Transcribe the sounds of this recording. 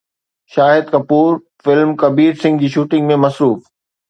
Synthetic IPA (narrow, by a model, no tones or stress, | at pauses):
ʃaːɦɪd̪̚kɐpuːɾ | fɪlmkɐbiːɾsɪ̃ŋɡd͡ʑiːʃuːʈɪ̃ŋɡmẽmɐsɾuːf